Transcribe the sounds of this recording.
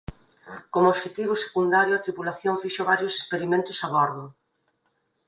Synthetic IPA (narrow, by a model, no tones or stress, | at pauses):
komooʃet̪iβ̞ʊse̥kund̪aɾjʊat̪ɾipulaθjoɱfiʃoβaɾjʊse̥speɾimẽnt̪ʊsaβɔɾðʊ